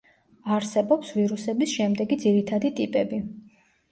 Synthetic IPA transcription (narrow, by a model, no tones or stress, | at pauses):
aɾsɛbɔpsviɾusɛbisʃɛmd̪ɛɡid̪ziɾit̪ʰad̪it̪ʼipʼɛbi